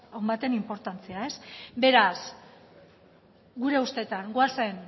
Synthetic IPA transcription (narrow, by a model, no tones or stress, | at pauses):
awmbat̪e̞nimpo̞ɾt̪ant͡seae̞sbe̞ɾas | ɡuɾe̞ust̪e̞t̪aŋɡoase̞n